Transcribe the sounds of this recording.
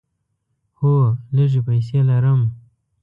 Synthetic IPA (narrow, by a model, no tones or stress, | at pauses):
holəʐepajs̬eːlaɾəm